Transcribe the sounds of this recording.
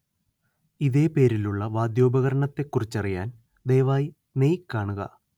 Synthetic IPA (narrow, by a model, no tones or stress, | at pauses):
iðe̞ːpe̞ːɾiluɭːɐʋaːd̪jo̞ːbɐɣɐɾɐɳɐt̪ːe̞kːurit͡ɕːɐrijaːn | d̪ejʋaːji | nejkːaːɳuɣɐ̰